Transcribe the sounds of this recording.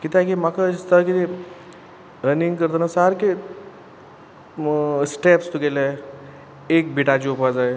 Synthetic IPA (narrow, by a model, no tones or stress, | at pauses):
kit̪akemakʰast̪akit̪e | ɾəniŋɡkəɾt̪ənasaɾke | sʈepst̪ukele | eːk̚biʈat͡ɕiupad͡zae